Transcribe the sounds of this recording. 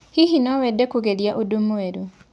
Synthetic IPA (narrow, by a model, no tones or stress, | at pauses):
hiɦinɔwedekuɣeljaʔudumuweɾu